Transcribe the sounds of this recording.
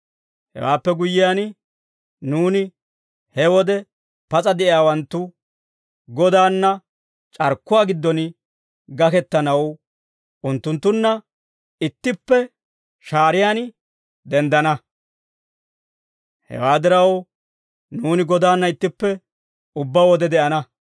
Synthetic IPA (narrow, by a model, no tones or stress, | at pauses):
hɛ̰wa̰ːpːɛɡʊjːɪjaːn | nuːnɪ | hɛwɔd̪ɛ | pɐt͡sʼɐd̪ɛʔɪjaːwɐnt̪ːʊ | ɡɔd̪aːnːɐ | t͡ʃʼɐɾkːʊwaːɡɪd̪ːɔn | ɡɐkɛt̪ːɐnɐw | ʔʊnt̪ːʊnt̪ːʊnːɐ | ɪt̪ːɪpːɛ | ʃaːɾɪjaːn | d̪ɛnd̪ɐnɐ | hɛ̰waːd̪ɪɾɐw | nuːnɪɡɔd̪aːnːɐɪt̪ːɪpːɛ | ʊbːaːwɔd̪ɛd̪ɛʔɐnɐ